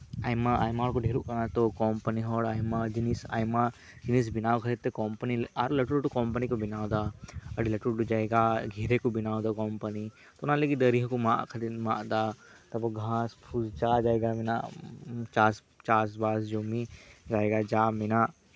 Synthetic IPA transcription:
aːjmaa̰ːjmaɦɔɾkoɖʱeːɾukɐnat̪okɔːmpəniɦɔːɽajmad͡ʒinisa̰ːjma | d͡ʒinis̬binaːʋkʰəɾet̪ːekɔmpəniaːɾolɐʈuɽʈukɔːmpənikobinaːwd̪aɐɽilɐʈuɽʈud͡ʒaːeɡaɡʱiːɾekubinaːwd̪akɔmpəni | t̪ounãlekid̪əɾiɦkomaʔkʰɐt̪imãʔd̪at̪ɐboɡʱãːspʰuzt͡ʃaːd͡ʒaːeɡamina̰ | t͡ʃaːs | t͡ʃaːsbaːsd͡ʒomid͡ʒaːeɡad͡ʒaːmina

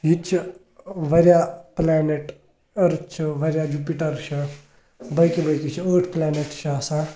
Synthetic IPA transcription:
ɦit͡ʃʰi | ʋɐɾjaːplaːneʈ | ɐɾut͡ʃʰuʋɐɾʲjad͡ʒupiʈɐɾt͡ʃʰɐ | bɐjkibɐjkit͡ʃʰioːʈʰplaːneʈt͡ʃʰːsãː

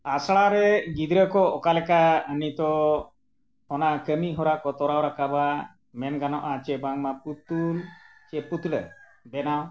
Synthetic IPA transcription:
asɽaɾɛɡid̪ɾəkɔɔkalɛkaənit̪ɔ | ɔnakəmiɦɔɾakɔt̪ɔɾawɾakaba | mɛnɡanɔʔat͡ʃɛbaŋmaput̪ult͡ʃɛpːut̪ɽə | bɛnaw

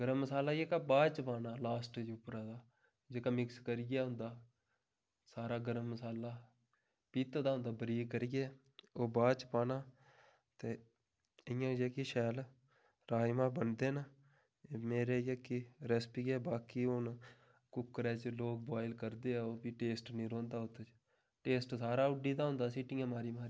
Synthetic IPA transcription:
ɡəɾəmːəsaːlaːjeːkaːbaːt͡ʃpaːnaːlaːsʈd͡ʒuːpɾaːd̪aː | d͡ʒeːkaːmɪkskəɾɪɡaːɦʊ̃nd̪aː | saːɾaːɡəɾəmːəsaːlaː | piːt̪ːd̪aːɦʊ̃nd̪aːbəɾiːkːəɾɪɡɛː | oːbaːt͡ʃpaːnaː | t̪eː | ɪjãːd͡ʒeːkiʃɛːl | ɾaːimãːbənd̪eːnaː | emeːɾeːjekiɾəspiːɡɛːbaːkiːʊn | kʊkːɾɛːt͡ʃloːk̚baːɪlkəɾd̪eːɛːoːpiːʈeːsʈnĩːɾõːnd̪aːʊt̪ːət͡ʃ | ʈeːsʈsaːɾaːʊɖiːd̪aːɦʊ̃nd̪aːsiːʈiːãːmaːɾiːmaːɾiː

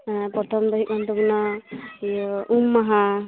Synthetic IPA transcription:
pɔɾt̪ʰɔmd̪ɔɦik̚mant̪ɔbinɔ | ʔumːaɦa

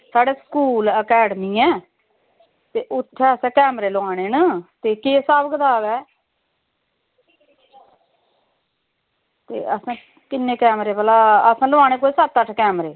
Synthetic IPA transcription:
saːɖeːsə̥kuːləkɛːɖəmiːɛː | t̪eːʔʊt̪ʰːɛːəsɛ̃ːkɛːmɾeːloãːñeːnət̪eːkeːsaːbəɡd̪aːʋɛː | t̪ḛːəsãː | kɪnːẽːkɛːmɾeːpəlaːəsãːlʊaːñeːkoːisət̪ːəʈʰkɛːmɾeː

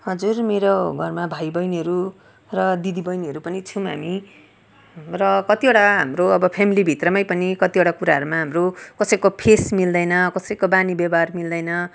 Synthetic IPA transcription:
ɦʌd͡zurmeɾoɡʱʌrmabʱajbʌjniɦʌɾu | rʌd̪id̪ibʌjniɦʌɾupʌnit͡sʰuɦa̰mi | rʌkʌt̪ioɽaɦamroʌbʌpʰemilibʱit̪rʌmajpʌnikʌt̪ioɽakuɾaɦʌɾumaɦamrokʌsʌjkopʰesmild̪ʌjnʌkʌsʌjkobanibjʌbarmild̪ʌjnʌ

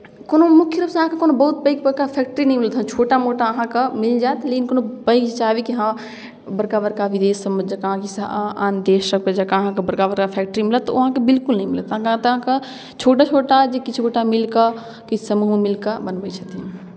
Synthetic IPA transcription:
koːnomukʰjəɾəbsẽɦãkekoːnobəɦut̪̚bəɪk̚bəɾkapʰɛk̚ʈəɾinɐɦĩmilət̪ɦt͡ʃʰoʈamoʈaəɦãkemild͡ʒaːt̪lekinkoːnobəɪkd͡ʒt͡ʃabikiɦã | bəɾkabəɾkaʋid̪eːsəməd͡ʒəkaɦãkisaːnd̪esɾəkped͡ʒəkaəɦãkebəɾkabəɾkapʰɛk̚ʈɾimilət̪ːɐɦãkebilkulnəĩmilət̪ɦãkəɦãt̪ːãke | t͡ʃʰoːʈat͡ʃʰoːʈad͡ʒekit͡ʃʰboʈamilkə | kit͡ʃʰsəmuɦmemilkəbənbət͡ʃʰət̪i

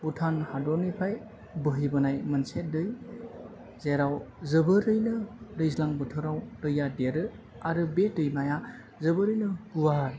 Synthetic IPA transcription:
butʰanhadɔnipʰaj | bɯɦibɯnajmɯnset̚dɯj | zeɾawzɯbɯɾɯjnɯɾɯjzlaŋbɯtʰɯɾawtɯjːadeɾɯ | aɾɯbetɯjmaja | zɯbɯɾɯjnɯbuwaɾ

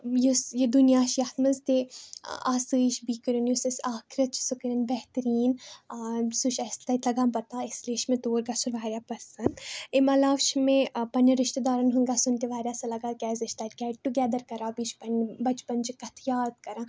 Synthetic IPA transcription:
jusjed̪unijaːʃjat̪mɐzt̪ḛaːsɨːʃbiːkɐɾunjusɐsaːkʰiɾɐt̪̚t͡ʃʰi̥sukɐɾʲɐnbɛht̪ɐɾiːn | suʃɐst̪ɐt̪lɐɡãːnpɐɾt̪aːɪsliːʃmẽt̪oːɾɡasuɾʋaːɾʲjaːpɐsɐnd̪emɐlaːʋʃmẽpɐnːɐɾɪʃt̪ed̪aːɾɐnɦuŋɡaːsunt̪eʋaːɾʲjaːsɐlɐɡaːkʲɛːzɐʃt̪aːtkʲɛːʈ̚ʈuɡʲɛːd̪ɐɾkɐɾãːpiːt͡ʃpɐnbɐt͡ʃpɐnt͡ʃikɐt̪ʰjaːd̪kɐɾãː

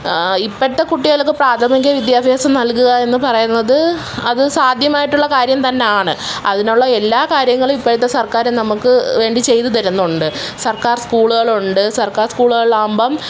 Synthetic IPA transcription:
ipːoɽt̪ːe̞kuʈːiɣɐlokːɨpraːt̪ʰɐmik̬ʲːɐʋid̪jaːbʱeːsɐmnɐlkuɣɐe̞nːɨpɐrɐjunːɐðɨ | ɐðɨsaːd̪ʱjɐmaːjiʈːuɭːɐkaːɾjɐmt̪ɐnːe̞aːɳɨɐðinuɭːɐelːaːkaːɾjɐŋːɐɭumipːoɽɨt̪ːesɐrkaːɾunɐmukːɨʋe̞ːɳɖit͡ɕe̞jt̪ːut̪ɐɾunːuɳɖɨsɐrkaːrskuːɭuɣɐɭuɳɖɨsɐrkaːrskuːɭuɣɐɭaːmbɐm

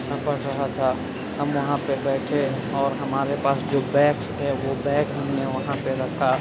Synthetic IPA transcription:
bɐʈʰɾɐɦat̪ʰa | ɦɐmʋɐɦãpebɛːʈʰe | ɔːɾɦɐmaːɾepaːsd͡ʒoːbɛːksɦɛʋobɛːkɦɐmneʋɐɦãpeɾɐkʰa

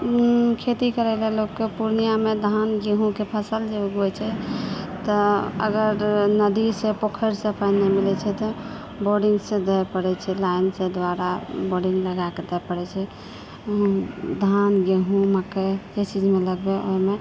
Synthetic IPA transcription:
kʰet̪ikəɾɛlɛlokːepuɾnijamed̪ʱanɡeɦũkepʰəsəld͡ʒeuɡojt͡ʃʰɛt̪ɔə̰ɡəɾnəd̪isẽpokʰəɾsəpʰəjnːɛmilɛt͡ʃʰɛt̪ɔ | boɾɖiŋɡsẽd̪ɛjpəɽɛt͡ʃʰɛlaɪnsẽd̪waɾaboɾɖiŋɡləɡaked̪ɛpəɽɛt͡ʃʰɛ | d̪ʱanɡeɦũmaked͡ʒet͡ʃid͡ʒmeləɡbeo̰ime

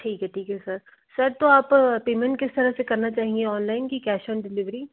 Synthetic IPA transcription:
ʈʰiːkɦɛʈʰiːkɦɛsəɾ | səɾt̪oaːppeːmẽɳʈ̚kɪst̪əɾasekɐɾnat͡ʃaːɦieɔːnlaːɪnkikɛːʃə̃ːnɖɪlɪʋɾiː

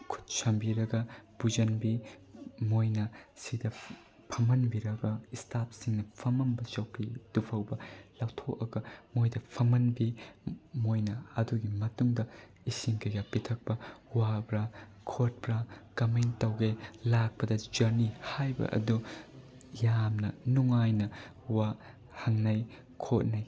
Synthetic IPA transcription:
kʰu̥t̚sɐmbiɾɐɡɐb̥ud͡ʒɐnbi | mojnɐsidɐ | pʰɐmɐnbiɾɐɡɐistap̚ʰsiŋnɐpʰɐmɐmbɐt͡ʃɐwpʰid̥upʰɐwbɐlawtʰokɐɡɐmojdɐpʰɐmɐnbimojnɐɐduɡimɐtuŋdɐ | isiŋkʰɐjɡɐpitʰɐk̚pɐwabɾɐ | kʰot̚bɾɐkɐmentːɐwɡelak̚pɐdɐd͡ʒɐɾnihajbɐ̰ʔɐ̰du | jamnɐnuŋajnɐ | wa | hɐŋnɐj | kʰot̚nɐj

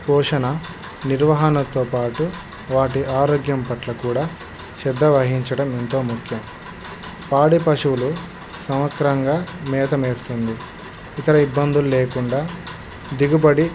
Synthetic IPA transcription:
pɔːʂɐnɐ | niɾʋɐɦɐnɐt̪oːpaːʈu | ʋaːʈiʔaːɾoːɡjɐmpɐʈlɐkuːɽaː | ʃɛɾd̪ːɐʋɐɦiɲt͡ʃɐɽɐment̪o̞ːmukʰjɐm | paːɽipɐʂuwulu | sɐmʋɐkɾɐŋɡaːmɛːt̪ɐmeːst̪und̪i | it̪ɐɾɐibːɐnd̪ululeːkuɳɖaː | d̪iɡubɐɽi

